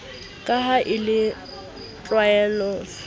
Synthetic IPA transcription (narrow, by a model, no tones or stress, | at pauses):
kʼaɦaʔɪlɪ | rʼwaɛlɔː